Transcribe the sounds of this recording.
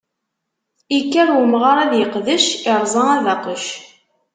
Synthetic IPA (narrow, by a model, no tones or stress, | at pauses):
ikːæɾwəmʁaɾˤæðjəqðəʃɪɾˤzˤɑæðɑqəʃ